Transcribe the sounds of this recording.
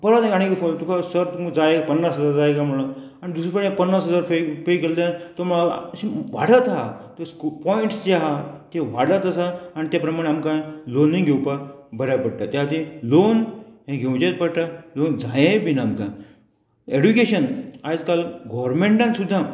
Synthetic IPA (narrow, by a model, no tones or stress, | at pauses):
bəɾat̪ẽaɽ̃ikifot̪ukʰasəɾt̪umd͡zajekpənːasɦəd͡zaɾd͡zajkam̤əɭo | añid̪us̬ɾəpəɽpənːasɦəd͡zaɾfefekelt̪ãt̪ɔm̤əɭaɕiʋa̰ɽ̤ət̪ɦat̪əskupɔiɳʈsd͡ʑeɦat̪eʋaɽlət̪əsaanit̪japɾəmaɽ̃eamkãlonːĩɡʱewpabʱəɾjapəɽʈ̪at̪jat̪ilonɦẽɡʱewt͡ɕet̪pəɽʈ̪alond͡zajebinːmka | eɽukeɕənad͡zkalɡɔʋəɾmeɳʈãnsud̪ʱːã